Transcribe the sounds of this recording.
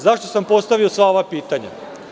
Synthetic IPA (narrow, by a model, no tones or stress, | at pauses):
zaʃt̪o̞sampo̞st̪aʋiosʋao̞ʋapiːt̪aɲa̰